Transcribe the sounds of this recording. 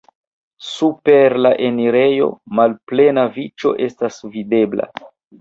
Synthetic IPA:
supeɾlaʔe̞niɾe̞jo̞̰malple̞navit͡ʃo̞̰ʔe̞stasvidebla̰

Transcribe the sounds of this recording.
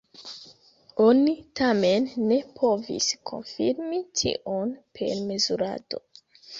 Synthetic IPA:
onitame̞nːe̞pʰo̞vḭskʰo̞̰nfiɾmitʰḭʔonpʰe̞̰ɾme̞zuɾa̰do̞̰

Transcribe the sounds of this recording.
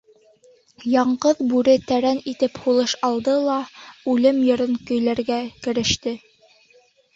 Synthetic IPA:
jɑɴɢɤðbʉɾɘt̪æɾænit̪ɘphulˠɤʃɑlˠd̪ɤlˠɑʉlɘmjɤ̆ɾɤŋkɵ̆jlæɾɡækɘ̆ɾɘ̆ʃt̪ɘ

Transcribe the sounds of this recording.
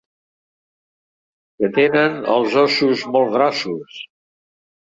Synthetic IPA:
kət̪enənə̰lˠzɔsuzmɔlˠɣɾasus

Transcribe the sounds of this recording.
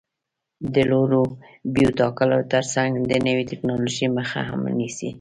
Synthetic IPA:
d̪əloɾobijut̪ɑkəlot̪əɾsaŋɡd̪ənəwit̪ɪknɑloʒiməxa̰ɦa̰mnisḭ

